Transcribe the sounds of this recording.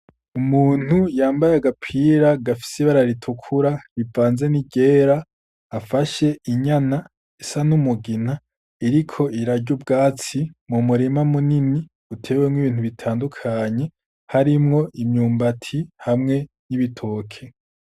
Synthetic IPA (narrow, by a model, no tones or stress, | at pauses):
umuːn̥hujaːmbajaɡapʰiɾaɡafi̥siβaɾaɾitʰukʰuɾaɾivaːnze̞niɟe̞ːɾaː | faʃe̞ʔiɲana | isanumuɡina | iɾikʰo̞ʔiɾaɟubɡaːt͡simumuɾimamunini | utʰe̞ːwemŋwiβiːnhuβitʰaːndukʰaɲe̞ | haɾimŋo̞ʔimɲuːmbatʰihamŋe̞ | niβitʰoːkʰe̞